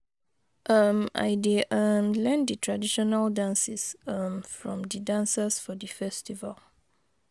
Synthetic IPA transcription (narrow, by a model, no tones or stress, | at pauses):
ʔʌma̰jdeʔəmlɛ̃nd̪ətʰɹadiʃɔnaldãnsisʌmfɹɔ̰̃mdədãnsəsfɔdəfɛstival